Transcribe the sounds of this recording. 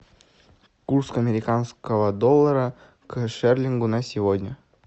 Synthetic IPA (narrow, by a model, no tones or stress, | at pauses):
kurskɐmʲɪɾʲɪkanskəvəd̪olˠːəɾə | kʂɛrlʲɪŋɡunasʲɪvodʲnʲə